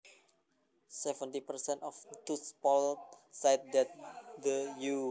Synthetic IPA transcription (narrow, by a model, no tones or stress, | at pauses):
sɛvə̃nt̪ipərsɛ̃ntɔft̪uspɔlt̚sajt̪̚dɛt̪̚dəju